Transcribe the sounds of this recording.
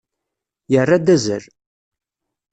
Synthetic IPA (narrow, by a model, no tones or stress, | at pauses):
jərːad̪æzəl